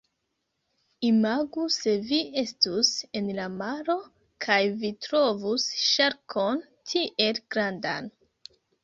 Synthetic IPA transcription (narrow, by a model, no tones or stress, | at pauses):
imaɡuse̞vie̞stuse̞nlamaɾo̞ | kʰajvitɾo̞vusʃaɾkʰo̞n | tʰiʔe̞lɡ̥ɾanda̰n